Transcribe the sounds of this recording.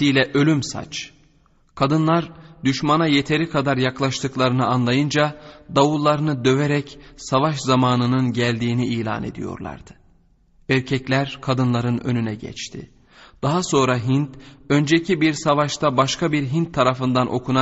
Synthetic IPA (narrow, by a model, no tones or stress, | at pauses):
ijlʲɛʔø̞lʲymsa̰t͡ʃ | kʰad̪ɯnlˠaɾd̪yʃmanaje̞t̪ʰe̞ɾikʰad̪aɾjaklˠaʃt̪ʰɯklˠaɾɯnɯanlˠajɯnd͡ʒad̪avulˠːaɾɯnɯd̪ø̞veɾɛcsavaʃzamaːnɯnɯnɟælʲd̪iːniʔiːlʲa̰ːne̞̰d̪ḭjo̞̰ɾlˠa̰ɾd̪̥ɯ̥ | æɾcʰɛclʲæɾkʰad̪ɯnlˠaɾɯnø̞̰nynɛɟɛ̰t͡ʃt̪ʰɪ̰ | d̪̥aɦaso̞ːnɾaɦint̪ø̞nd͡ʒecʰibiɾsavaʃt̪ʰabaʃkʰabiɾɦint̪ʰːaɾafɯnd̪anʔo̞̰kʰuna